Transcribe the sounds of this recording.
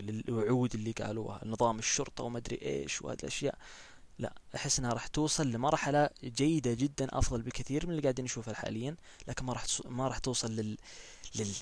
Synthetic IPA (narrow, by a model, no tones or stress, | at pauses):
lɪwʊʕuːd̪ɪlːiɡa̰ːlṵːha̰nːɨðˤɑːmɪʃːʊɾt̪ˤɑwmad̪ɾḭʔḛːʃwha̰ːðɪ̰lʔa̰ʃja̰ːʔ | la̰ʔʔaħɪsːʔɪnhaɾˤɑːħt̪uːsˤɨlːɪmɑɾˤħalad͡ʒajːɪd̪ad͡ʒɪd̪ːanʔɑ̰fðˤɑlbɪkaθiːɾmɪnɪliɡaːʕd̪inʃuːfalħa̰ːlɪjːan | laːkɪnmaɾˤɑːħmaɾˤɑːħt̪uːsˤɨlːɪː | ɪ